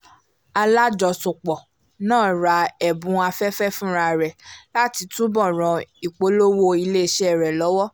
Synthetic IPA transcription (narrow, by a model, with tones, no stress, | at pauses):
a˧la˦d͡ʒɔ˧sũ˨k͡pɔ˨ | nãː˦˨ɾa˨˧˦ɛ˨bũ˨˦a˧fɛ˦fɛ˦fũ˦ɾa˧˨ɾɛ˨la˦ti˧tũ˦bɔ̃˦˨ɾ̃ɔ̃˨i˨k͡po˨˦lo˦wo˦i˧le˦˨ʃɛ˦ɛ˦˨ɾɛ˨lɔ˨˦wɔ˦